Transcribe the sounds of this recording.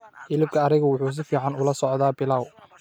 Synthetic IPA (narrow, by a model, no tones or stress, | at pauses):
ʔɪlɪb̚kʰɐːɾɪɣɐwʊħuːs̬ɪfiːʕɑnʊlɐsɔʕd̪aːbɪlaːw